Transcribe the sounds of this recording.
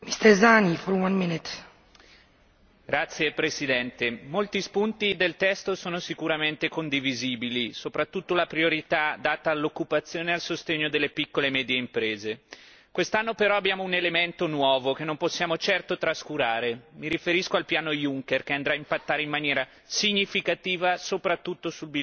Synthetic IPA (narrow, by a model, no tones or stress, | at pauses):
mist̪ɛɾzanifɔɾwãnminɪt | ɡ̥ɾat̪sːjepɾesid̪ɛnt̪emolt̪ispunt̪id̪elt̪ɛst̪osoːnosikuɾament̪ekond̪iviziːbilisopɾat̪ːut̪ːolapɾioɾit̪ad̪aːt̪aːlːokːupat̪sːjoːnealsost̪eɲːod̪elːepikːolemɛːd̪jeimpɾeːze | kwest̪anːopeɾɔabːjaːmounelement̪onwɔːvokenːomposːjaːmot͡ʃɛrt̪ot̪ɾaskuɾaːɾemiɾifeɾiskoalpjaːnojuŋkerk̟eand̪ɾaːimpat̪ːaːɾeimːanjɛːɾa | siɲːifikat̪iːvasopɾat̪ːut̪ːosulbi